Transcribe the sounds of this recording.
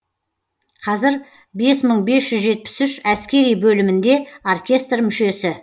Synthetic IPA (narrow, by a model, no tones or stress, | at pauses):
qʰɑzɪɾ | be̞sməɴbe̞sʒ̥ʏzʒe̞t̪̚pɪ̥sʏʃæskʲe̞ɾijbɵlɪmɪnd̪e̞o̞rkʲe̞st̪rmʏʃe̞sɪ